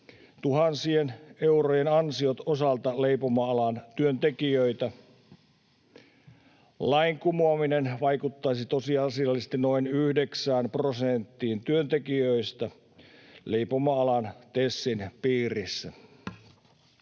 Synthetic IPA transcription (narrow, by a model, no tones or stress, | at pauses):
t̪uhɑnsieneurojenɑnsiot̪osɑlt̪ɑleipomɑɑlɑnt̪yønt̪ekiøit̪æ | lɑiŋkumuɑminenʋɑikut̪ːɑisit̪osiɑsiɑlːˑist̪inoinyhdeksæːnprosent̪ːiːnt̪yønt̪ekiøist̪æ | leipomɑɑlɑnt̪esːinpiːrisːæ̰